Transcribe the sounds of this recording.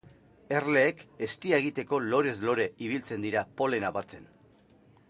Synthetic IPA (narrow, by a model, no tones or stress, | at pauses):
e̞rle̞ːke̞st̪iaeɣ̞it̪e̞ko̞lo̞ɾe̞zlo̞ɾe̞iβ̞ilt͡se̞nd̪iɾapo̞le̞naβat͡se̞n